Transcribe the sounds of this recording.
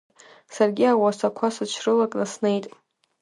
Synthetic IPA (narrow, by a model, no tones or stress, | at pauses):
sarɡʲiawasakʷʰasɨt͡ʃʰrɨlakʼnasnejtʼ